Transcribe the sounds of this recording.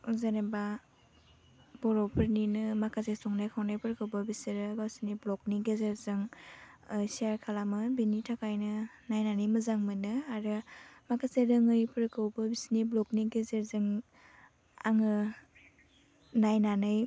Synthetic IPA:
zaneba | bɔɾɔpʰɯɾninɯmakʰasesɔŋnajkʰawnajpʰɯɾkʰɯwbabisiɾɯbasiniblɔk̚niɡezeɾzɯŋ | siaɾkʰalamɯbinitʰakajnɯnajnanɯjmɯzaŋmɯnɯaɾɯmakʰaseɾɯŋɯjpʰɯɾkʰɯwbɯbisniblɔkniɡezeɾzɯŋ | a̰ŋɯ | najnanɯj

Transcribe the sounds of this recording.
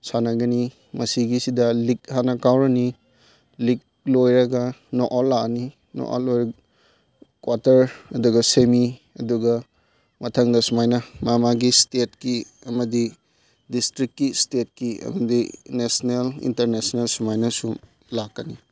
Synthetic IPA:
sanɐɡɐni | mɐsiɡisidɐlik̚hanɐkawɾɐni | lik̚lojɾɐɡɐnoʔalːani | no̰ʔa̰lːojɾɐɡ | kwatɐɾɐduɡɐsemi | ɐ̰duɡɐ | mɐtʰɐŋdɐsumajnɐmamaɡistet̚ki | ɐmɐdi | distɾikkːistet̚kiɐ̰mɐdinesnelḭntɐɾnesnelsumajnɐsum | lakːɐni

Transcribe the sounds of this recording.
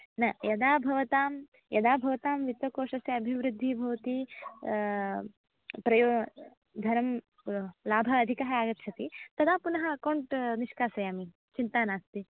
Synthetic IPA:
nɐjɐd̪aːbʱɐʋɐt̪aːm | jɐd̪aːbʱɐʋɐt̪aːmʋit̪ʋɐkoːʂɐsjɐɐbʱiʋɾud̪ʱːibʱɐʋɐt̪i | pɾɐjoː | d̪ʱɐɾɐm | laːbʱɐːd̪ʱikɐɦɐaːɡɐt̪t͡ʃʰɐt̪it̪ɐd̪aːpunɐɦɐkɐwɳʈniʃkaːsɐjaːmi | t͡ʃint̪aːnaːst̪i

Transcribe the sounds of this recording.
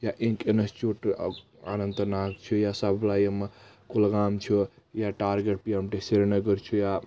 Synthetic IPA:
jaʔẽkenəst͡ʃuʈ | a̰nənt̪nakt͡ʃʰujasablajəm | kulɡamt͡ʃʰu | jaʈaɾɡeʈ̚piəmʈeseɾenəɡəɾt͡ʃʰuja

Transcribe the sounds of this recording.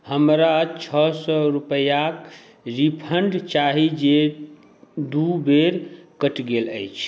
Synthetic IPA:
həmɾat͡ʃʰɔsɔɾupəjak | ɾipʰəɳɖt͡ʃaɦid͡ʒe | d̪ubeɾkəʈɡeləjt͡ʃʰ

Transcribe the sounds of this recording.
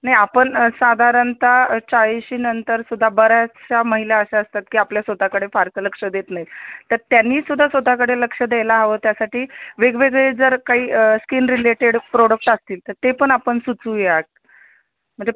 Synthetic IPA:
naɦjapəɳsad̪ʱaɾənt̪at͡ɕaiɕiːnənt̪əɾsud̪ʱːabəɾat͡ɕaməɦilaəɕaəst̪at̪̚kiːapljasʋəd̪ʱːakəɽefaɾt͡sələkʂəd̪et̪naɦit̪əɾt̪janːiːsud̪ʱːasʋəd̪ʱːakəɽeləkʂəd̪elaɦaʋəːt̪jasaʈiːʋeɡʋeɡɭed͡zəɾkaɦiːskiːnɾileʈeɽpɾoɽək̚ʈəst̪iːlt̪əɾt̪epəɳapəɳsut͡suːjeak̪̚ | m̤əɳd͡ze

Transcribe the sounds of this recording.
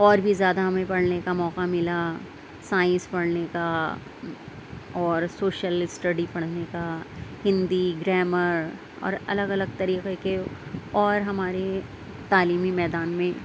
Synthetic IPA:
ɔːɾbʱizjaːd̪aɦɐmẽpɐɽnekamɔːqamɪla | saːɪ̃nspɐɽneka | ɔːɾsoːʃəlsʈɐɖipɐɽ̤nekahɪ̃nd̪iɡɾɛːməɾ | ɔ̰ːɾɐləɡɐləɡ̚t̪ɐɾiːqekeɔːɾɦɐmaːɾe | t̪aːliːmimɛːd̪aːnmẽ

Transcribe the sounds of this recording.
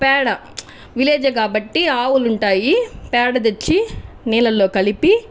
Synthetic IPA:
pɛːɽɐ | ʋileːd͡ʒɐkaːbɐʈːiaːwuluɳʈaːjipɛːɽɐd̪̬et͡ʃːi | nɛːlɐlːo̞ːkɐlipi

